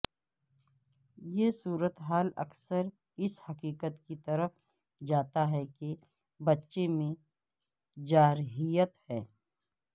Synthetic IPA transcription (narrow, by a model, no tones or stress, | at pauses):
jesuːɾət̪ɦaːlɐ̰ksəɾ | ɪshɐkiːkət̪kit̪ɐɾəf | d͡ʒaːt̪aɦɛke | bɐtːʃemẽ | d͡ʒaːɾɦijət̪hɛː